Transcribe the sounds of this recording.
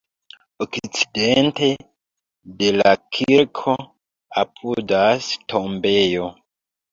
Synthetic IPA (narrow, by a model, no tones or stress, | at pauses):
okit͡si̥dente | de̞lakʰiɾkʰo | apʰudastʰombejo